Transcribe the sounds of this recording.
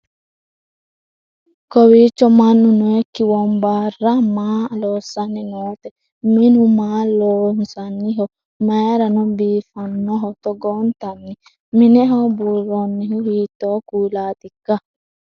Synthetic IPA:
kowit͡ʃːɔmanːunuekːiwɔmbarːamalɔsanːiŋɔːt̪ɛ | minumalɔsanːiɦɔ | maɾanɔbiːfanːɔɦɔt̪ɔɡɔnt̪anːi | minɛɦɔbuɾɔnːihuhiːt̪ːɔkulaːt̪ikːa

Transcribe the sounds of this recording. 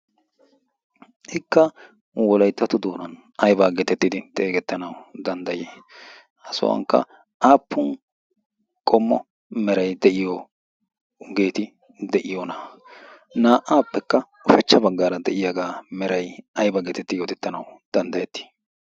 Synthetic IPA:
ɪkːɐ | wɔlɐjt̪ːɐt̪ʊd̪oːnɐn | ɐjbaːɡɛt̪ɛt̪ːɪd̪ɪt̪ʼe̞ːɡɛt̪ːɐnɐwd̪ɐnd̪ɐjeː | ɐsʊ̰wɐ̰ŋkːɐ̰ | aːpʰːʊn | kʼɔmːɔ̰ | mɛɾɐjd̪ɛʔɪjo | ɡe̞ːt̪ɪ | d̪ɛʔɪjonɐ | naːʔaːpːɛkːɐ | ʊʃɐt͡ʃːɐbɐɡːaːɾɐd̪ɛʔɪjɐɡaːmɛɾɐjɐjbɐɡɛt̪ɛt̪ːɪd̪ɪɔt̪ɛt̪ːɐnɐwd̪̥ɐnd̪ɐjɛt̪ːi̥ː

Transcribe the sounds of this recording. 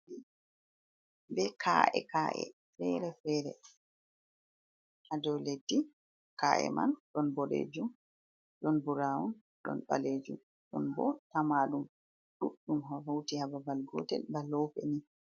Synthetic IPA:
i | bɛkʰa̰ʔɛ̰kaʔɛ̰ | fɛɾɛfɛɾɛ̰ | hadɛwledːi | kaʔɛ̰ma̰nɗɔnbɔɾḛd͡ʒum | ɗɔnbuɾawun | ɗɔ̰nɓa̰led͡ʒum | ɗɔ̰nbɔtamaɗum | ɗuɗːumhɔvowtihababalɡɔtɛlbalɔwpɛ̰ni

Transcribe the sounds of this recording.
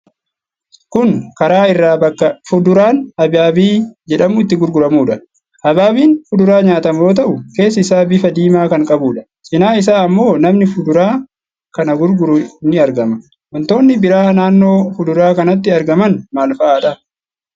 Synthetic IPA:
kʊŋkɐɾaːɪrːaːbɐkːɐfʊd̪ʊɾaːnɐbaːbiːd͡ʒɛᶑɐmʊɪt̪ːɪɡʊɾɡʊɾɐmuːᶑɐ | ʔɐbaːbiːnfʊd̪ʊɾaːɲaːt̪ɐmoːt̪̬ɐʔʊke̞ːsːɪsaːbɪfɐd̪iːmaːkɐŋkʼɐbuːᶑɐ̥ | sʼɪnaːɪs̬aːɐmːo̞ːnɐmnɪfʊd̪ʊɾaː | kɐnɐɡʊɾɡʊɾʊnɪɐɾɡɐmɐ | wɔnt̪o̞ːnːɪbɪɾaːhnaːnːo̞ːfʊd̪ʊɾaːkɐnɐt̪ːɪɐɾɡɐmɐnmaːlfɐʔaːᶑɐ

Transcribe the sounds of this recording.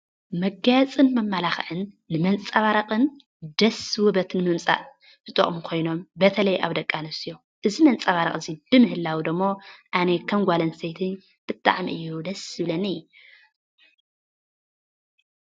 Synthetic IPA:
mɐɡɐt͡sʼɨnmɐmːalaxʕɨnː | ɨmɐnt͡sʼaβaɾɐqʼɨn | d̪ɐswubɐt̪nɨmɨmt͡sʼa̰ʔ | ɨt̪ʼo̰χʼmukʰo̞jno̞mbɐt̪ʰɐlɐjʔa̰βd̪ɐkʼːanɐsijo | ʔɨzimɐnt͡sʼaβaɾɐχʼɨzib̥ɨmɨhɨlːawid̪ɨmːo̞ʔanekʰɐmɡʷalɐnsejt̪ʰɨn | b̥ɨt̪ʼːa̰ʕmiʔɨjːud̪ɐsɨβlɐnɨju

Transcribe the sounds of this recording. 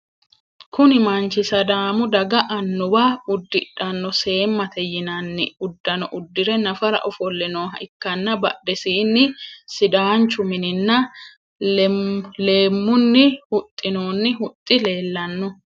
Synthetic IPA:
kʊnɪmɐnt͡ʃɪsɐd̪aːmʊd̪ɐɡɐʔɐnːʊbaʊd̪ːɪᶑɐnːɔse̞ːmːɐt̪ɛjɪnɐnːɪʊd̪ːɐnɔʔʊd̪ːɪɾɛnɐfɐɾɐ̰ʔɔfɔlːɛnoːɦɐ̰ʔɪkːɐnːɐbɐɗɛsiːnːɪsɪd̪aːnt͡ʃʊmɪnɪnːɐ | le̞ːmːʊnːɪhʊt̪ʼːɪnoːnːɪhʊt̪ʼːɪle̞ːlːɐnːɔ

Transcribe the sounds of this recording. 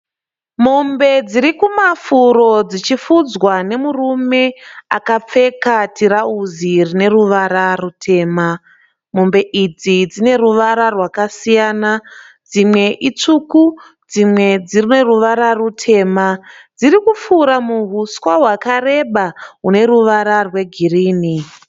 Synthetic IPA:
mombe̞d͡ziɾikumafuɾo̞d͡zit͡ʃifud͡zwane̞murume̞akap͡fe̞katiɾauzirine̞ruʋaɾarutʰe̞ːma | mumbe̞ʔid͡zid͡zine̞ruʋaɾarwakasijaːna | d͡zimwe̞ʔit͡ʂuku | d͡zimwe̞d͡zirine̞ruʋaɾarutʰe̞ːmad͡zirikufuɾamuɦuswaɦwakare̞ɓaɦune̞ɾuʋaɾarwe̞ɡʱiriːni

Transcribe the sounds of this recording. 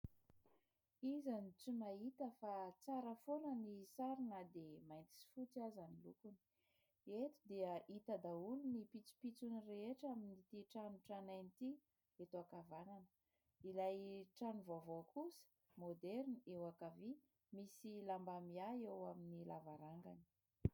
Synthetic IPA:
izanit͡sumait̪əfat͡saɾəfolənisaɾinəd̪emajnt̪i̥si̥fut͡siazanilukuni̥ | et̪u̥d̪iəʔit̪əd̪aulunipit͡su̥pit͡sunireeʈ͡ʂaminit̪iʈ͡ʂanuʈ͡ʂanajnit̪i | et̪oakavananə̥ | ilajʈ͡ʂanuvoavokusə̥ | mod̪ɛɾnewakavi | misilambamiajewaminilavaɾaŋɡani̥

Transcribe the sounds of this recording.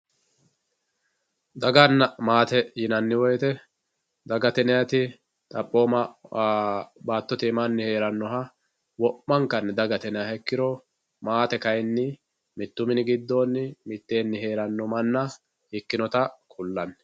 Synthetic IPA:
d̪ɐɡɐnːɐmaːt̪ɛjɪnɐnːɪwɔjt̪ɛ | d̪ɐɡɐt̪ɛnɛjɐt̪ɪ | t̪ʼɐpʼːo̞ːmɐ | baːt̪ːɔt̪ɪmɐnːɪhe̞ːɾɐnːɔɦɐ | wɔʔːɐŋkːɐnːɪd̪ɐɡɐt̪ɛnɛjɐhɛkːɪɾɔ | maːt̪ɛkɐjnːɪ | mɪt̪ːʊmɪnɪɡɪd̪ːo̞ːnːɪmɪt̪ːe̞ːnːɪhe̞ːɾɐnːɔmɐnːɐ | hɪkːɪnɔt̪ɐkʼʊlːɐnː

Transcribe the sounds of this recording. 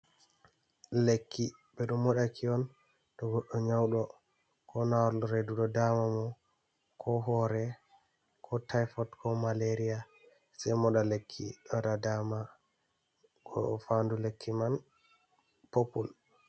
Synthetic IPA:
lekːi | bɛɗumːɔɗakʰiɔn | ɗɔɡɔɗːɔɲawɗɔ | kʰɔnawaɾlɔɾeduɗɔdamamɔ | kʰɔɦɔɾɛ | kʰɔtajfɔtkʰɔmaleɾija | sɛjmɔɗalekʰːiɗɔɗadama | ɡɔ̰fandulekʰːiman | popul

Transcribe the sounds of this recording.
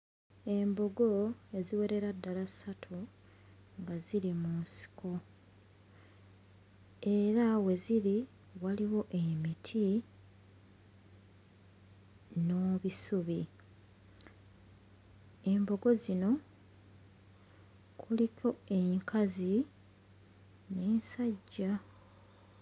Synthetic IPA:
e̞mbo̞ɡo̞e̞ziwe̞ɾe̞ɾadːalasatʰu | ŋɡaziɾimunsi̥kʰo̞ | e̞ɾawe̞ziɾi | waliwo̞ʔemitʰi | no̞βisuβi | e̞mbo̞ɡo̞zino̞ | kʰulikʰo̞e̞ŋkʰazi | neːnsaɟːa

